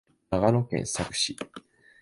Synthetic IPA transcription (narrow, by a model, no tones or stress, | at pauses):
aɡano̞kẽ̞̰ñsakɯ̟̥ɕi